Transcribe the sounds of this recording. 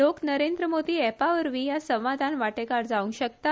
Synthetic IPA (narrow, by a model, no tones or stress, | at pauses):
oknəɾend̪ɾəmod̪iːɛpaʋəɾʋĩjasə̃wʋad̪ʱanʋaʈekaɾd͡zaʋũŋkɕək̚t̪a